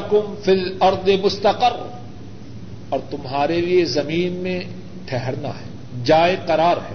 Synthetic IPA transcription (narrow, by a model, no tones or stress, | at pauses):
kʊmfilɐɾd̪ˤemʊst̪ɐqər | ɔːɾt̪ʊmɦaːɾeliezɐmiːnmẽ | ʈʰɛɦɛɾna̰ɦɛː | d͡ʒaːeqɐɾaːɾɦɛ̰ː